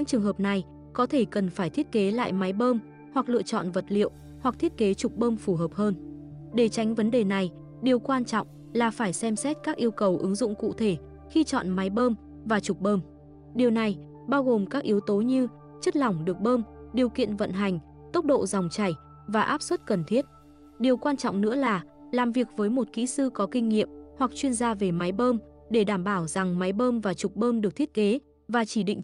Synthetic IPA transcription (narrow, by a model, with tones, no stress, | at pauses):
ɲɨ̰˧˥ŋt͡ɕɨ˨˩əŋɦəː˨˩p̚na˨˩j | kɔ˨˦t̪ʰe˧˩kə˨˩nfaː˧˩jt̪ʰi˦˥ət̚ke˨˦la̰ː˧˨jma˨˦jɓəː˧m | hwa˨˩k̚lɨ̰˧˨ət͡ɕɔ̰˧˨nvə˨˩t̚lḭ˧˨əw | hwa˨˩k̚t̪ʰi˦˥ət̚ke˨˦t͡ɕʊ˨˩k͡p̚ɓəː˧mfu˧˩ɦəː˨˩p̚həː˧n | ɗe˧˩t͡ɕa˨˦jŋ̟və˨˦nɗe˨˩na˨˩j | ɗi˨˩əwkwaː˧nt͡ɕɔ̰˧˨wŋ͡m | laː˨˩faː˧˩jsɛ˧msɛ˦˥t̚kaː˦˥k̚ʔi˧əwkə˨˩wʔɨ˨˦ŋzʊ̰˧˨ŋ͡mkṵ˧˨t̪ʰe˧˩ | xi˧t͡ɕɔ̰˧˨nma˨˦jɓəː˧m | vaː˨˩t͡ɕʊ˨˩k͡p̚ɓəː˧m | ɗi˨˩əwna˨˩j | ɓaː˧wɣo˨˩mkaː˦˥k̚ʔi˨˦əwt̪o˨˦ɲɨ˧ | t͡ɕə˦˥t̚lɔ˨˩wŋ͡mɗɨ˨˩ək̚ɓəː˧mɗi˨˩əwkḭ˧˨ənvə̰˧˨nɦa˨˩jŋ̟ | t̪o˦˥k͡p̚ɗo̰˧˨za˨˩wŋ͡mt͡ɕa˧˩j | vaː˨˩ʔaː˦˥p̚swə˦˥t̚kə˨˩nt̪ʰi˦˥ət̚ | ɗi˨˩əwkwaː˧nt͡ɕɔ̰˧˨wŋ͡mnɨ̰˧˥əlaː˨˩ | laː˨˩mvi˨˩ək̚vəː˨˦jmo˨˩t̚kḭ˧˥sɨ˧kɔ˨˦kï˧ŋ̟ŋḭ˧˨əmhwa˨˩k̚t͡ɕwi˧ənzaː˧ve˨˩ma˨˦jɓəː˧m | ɗe˧˩ɗaː˧˩mɓaː˧˩wz̥a˨˩ŋma˨˦jɓəː˧mvaː˨˩t͡ɕʊ˨˩k͡p̚ɓəː˧mɗɨ˨˩k̪̚ʰə˥t̚ke˨˦ | vaː˨˩t͡ɕi˧˩ɗḭ̈˧˨ŋ̟